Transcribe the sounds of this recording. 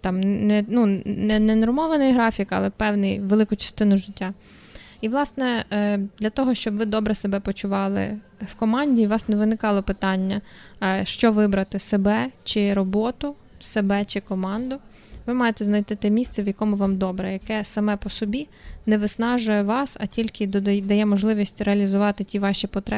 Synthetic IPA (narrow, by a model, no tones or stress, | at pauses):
t̪ɑmnnɛnunɛnɛnɔrmɔʋɐnɪjɦɾɑfʲikɐ̰lˠɛpɛwnɪjʋelˠɪkʊt͡ʃɐ̥st̪ɪnʊʒɪtʲːa | iʋlˠɑsnɛd̪lʲɐt̪ɔɦɔʃt͡ʃɔbʋɪd̪ɔbɾɛsebɛpɔt͡ʃʊʋɑlˠɪ̰ | wkɔmɑnʲdʲiʋɑsnɛʋɪnɪkɑlˠɔpɪt̪ɑnʲːɐʃt͡ʃɔʋɪbɾɐt̪ɪsebɛt͡ʃɪɾɔbɔt̪ʊ | sebɛt͡ʃɪkɔmɑnd̪ʊ | ʋɪmɑjet̪ɛznɐjt̪ɪt̪ɪmʲist̪sɛʋjɐkɔmʊʋɑmd̪ɔbɾɛjɐkɛsɐmɛpɔsɔbʲi | nɛʋɪsnɑʒʊjɛʋɑsɐ̰tʲilʲkɪd̪d̪ɐjɛmɔʒlˠɪʋʲisʲtʲreɐlʲizʊʋɑt̪ɪtʲiʋɑʃʲipɔt̪ɾɛ